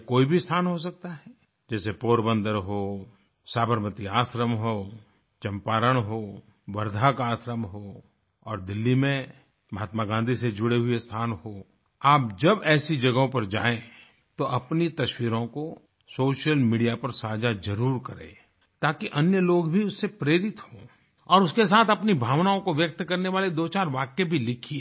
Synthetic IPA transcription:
koːibʱist̪ʰaːnɦos̬ɐk̚t̪aɦɛː | d͡ʒɛːsepoːɾbə̃nd̪əɾɦoː | saːbəɾmət̪iaːsɾəmɦo | t͡ʃɐ̃mpaːɾəɽ̃ɦoː | ʋɐɾd̪ʱakaːsɾəmɦoː | ɔːɾd̪ɪlːimẽ | mɐɦaːt̪maɡãːnd̪ʱised͡ʒʊɽeɦuest̪ʰaːnhoː | aːp̚d͡ʒɐbɛːsid͡ʒɐɡõpɐɾd͡ʒa̰ːẽ | t̪oʔɐpnit̪ɐʃwiːɾõko | soːʃəlmiːɖijapɐɾsaːd͡ʒad͡ʒɐɾuːɾkɐɾḛ̃ː | t̪aːkiʔɐnjəloːɡbʱiʊsːepɾeːɾɪt̪hõː | ɔːɾʊskes̬aːt̪ʰɐpnibʱaːʋnaõkoʋjɐk̚t̪kɐɾneʋaːled̪oːt͡ʃaːɾʋaːkjebʱilɪkʰie

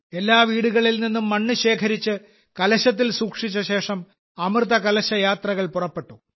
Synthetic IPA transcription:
e̞lːaːʋiːɽuɣɐɭilninːumːɐɳːɨɕe̞ːkʰɐɾit͡ɕːɨ | kɐlɐɕɐt̪̬ːilsuːkʂit͡ɕːɐɕe̞ːʂɐm | ɐmrt̪ɐkɐlɐɕɐjaːt̪rɐɣɐɭpurɐpːe̞ʈːu

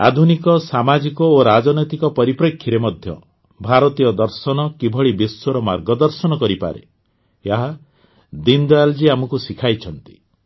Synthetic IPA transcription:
a̰d̪ʱunikɔsamad͡ʒikɔoɾad͡ʒɔnɔjt̪ikɔpɔɾipɾekʰːiɾemɔd̪ʱjɔ̰ | bʱaɾɔt̪ijɔd̪ɔɾsɔnɔkibʱɔɭibisːɔɾɔmaɾɡɔd̪ɔɾsɔnɔkɔɾipa̰ɾḛ | jaɦa | d̪ind̪ɔald͡ʒiamɔkusikʰajt͡ʃʰɔnt̪i̥

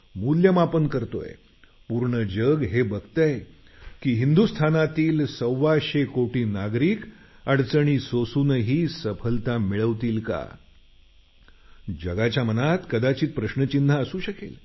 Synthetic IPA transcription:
muljəmapənkəɾt̪o̰jḛ | puɾɳəd͡ʑəɡɦebəɡt̪əj | kiːɦind̪ust̪ʰanat̪iːlsəwːaɕekoʈiːnaɡɾiːk | əɽt͡səɳ̃iːsosunəɦiːsəpʰəlt̪amiɭəʋt̪iːlka̰ | d͡ʑəɡat͡ɕjamənat̪kəd̪at͡ɕiːt̪̚pɾəɕnət͡ɕinːaəsuːɕəkḛl

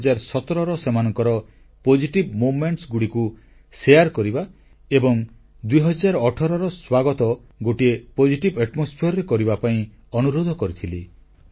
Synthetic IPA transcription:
d͡ʒaɾsɔt̪ɔɾɔɾɔsemanɔŋkɔɾɔ | pod͡ʒiʈibmomeɳʈsɡuɽiku | sejaɾkɔɾiba | ebɔŋ | d̪ujɦɔd͡ʒaɾɔːʈʰɔɾɔɾɔswaɡɔt̪ɔ | ɡoʈiepod͡ʒiʈibeʈmɔspʰeɾɔɾekɔɾibapaĩ | ɔnuɾod̪ʱɔkɔɾit̪ʰili

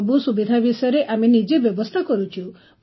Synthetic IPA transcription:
busubid̪ʱabisɔjɔɾeʔamenid͡ʒebjɔbɔst̪ʰakɔɾut͡ʃʰu

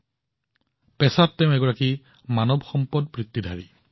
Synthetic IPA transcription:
pɛsatːɛʊ̃ɛɡɔɹaki | manɔbxɔmpɔd̚pɹit̪ːidʱaɹi

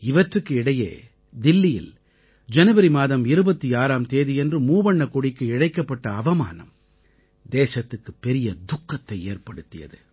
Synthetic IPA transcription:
ɪʋɐʈrɯkːɯɪɽɐjḛː | d̪ɪlːɪjɪ̰l | d͡ʒɐnɐbɐɾimaːðɐmɪɾɯbɐt̪ːiaːɾaːmt̪eːðijɛndrɯmuːbɐɳːɐkɔɽɪkːɯɪɽɐɪkːɐpːɐʈːɐːʋɐma̰ːnɐ̰m | d̪eːsɐt̪ːɯkːɯpːɛɾɪjɐd̪ʊkːɐt̪ːɐɪeːrpɐɽɯt̪ːɪjɐ̰ðɯ

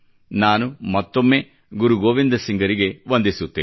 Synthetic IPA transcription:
naːnumɐt̪ːomːe̞ː | ɡuɾuɡoːʋind̪ɐsiŋɡɐɾiɡe̞ʋond̪isut̪ːeː

